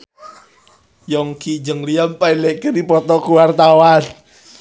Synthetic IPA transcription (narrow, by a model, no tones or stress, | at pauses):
jɔŋkid͡ʒəŋlijampailɛʔkənipɔt̪ɔkuwart̪awan